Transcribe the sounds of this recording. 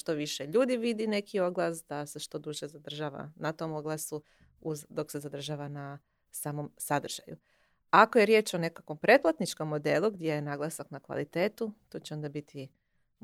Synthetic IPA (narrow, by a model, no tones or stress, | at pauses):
ʃt̪o̞ʋiʃeʎuːd̪iʋid̪ine̞kʰio̞ɡlˠasd̪aseʃt̪o̞d̪uʒezad̪r̩ʒaːʋa̰nat̪o̞moɡlˠasu | uzd̪o̞kse̞zad̪r̩ʒaːʋana | saːmo̞msad̪r̩ʒ̥a̰ju | akoje̞ɾje̞ːt͡ʃo̞ne̞kakʋo̞mpɾe̞t̪̚plˠat̪nit͡ʃko̞mːo̞d̪e̞lˠuɡd̪ʲjejenaɡlˠasaknakʋa̰lit̪e̞ːt̪ut̪o̞ːt͡ɕeo̞nd̪abit̪ʰi